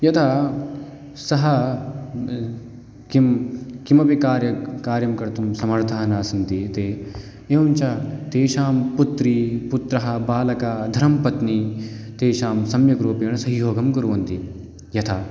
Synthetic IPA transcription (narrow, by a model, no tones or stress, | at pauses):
jɐt̪ʰa | sɐɦɐ | kimkimɐpikaːɾjɐkaːɾjɐmkɐɾt̪umsɐmɐɾt̪ʰaːɦɐnaːsɐnt̪it̪eː | eːʋɐnt͡ʃat̪eːʃaːmput̪ɾiput̪ɾɐɦɐ̆baːlɐkaːd̪ʱɐɾɐmpɐt̪nit̪eːʃaːmsɐmjɐkɾuːpjɐɳɐsɐɦjoːɡɐmkɐɾuʋɐnt̪i | jɐt̪ʰa